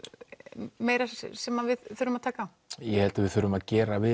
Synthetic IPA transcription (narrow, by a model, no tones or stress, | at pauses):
meːjɾasɛmaðvɪðθʏɾʏmaðt̪ʰaːkaa | jɛhɛlt̪avɪðθʏɾʏmaðcɛːɾavɪ